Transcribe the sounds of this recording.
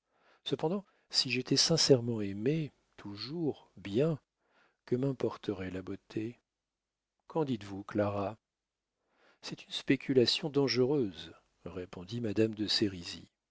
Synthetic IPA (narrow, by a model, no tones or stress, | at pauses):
səpɑ̃d̪ɑ̃ | siʒet̪ʰɛsɛ̃sɛʁmɑ̃eme | t̪ʰuʒuʁbjɛ̃ | kəmɛ̃pɔʁt̪ʰəʁɛlabot̪ʰe | kɑ̃d̪it̪vuklaʁa | sɛt̪ynspekʲʰylasjɔ̃d̪ɑ̃ʒəʁøz | ʁepɔ̃d̪imad̪amd̪əseʁizḭ